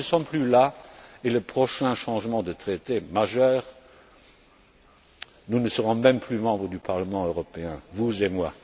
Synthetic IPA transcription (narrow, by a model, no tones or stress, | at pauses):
əsɔmplylaeləpχɔʃɛ̃ʃɑ̃ʒmɑ̃d̪ət̪χet̪emaʒœːʁ | nunəsəʁɔ̃mɛ̃mpʰlymɑ̃bʁəd̪ypʰaʁləmɑ̃øʁɔpeɛ̃vuzemwa